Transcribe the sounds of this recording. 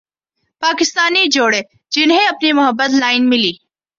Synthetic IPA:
paːkɪst̪aːnid͡ʒoːɽeː | d͡ʒɪnɦẽɐpnimʊɦəbːət̪laːɪnmɪliː

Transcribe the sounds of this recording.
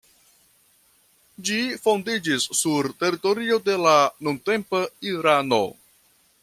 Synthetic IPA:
d͡ʒifo̞ndid͡ʒisːuɾte̞ɾito̞ɾio̞de̞lanunte̞mpaiɾano̞̰

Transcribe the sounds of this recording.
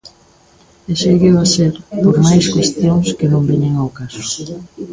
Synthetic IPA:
eseɣewaseɾpoɾmajskwest̪joŋskenõmbiɲeŋawkasʊ̥

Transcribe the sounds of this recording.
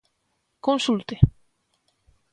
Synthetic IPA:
konsult̪e

